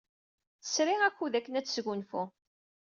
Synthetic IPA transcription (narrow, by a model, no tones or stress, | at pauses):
θə̥sɾiʁækʷːuðækːənæt͡sːsɡunfʊ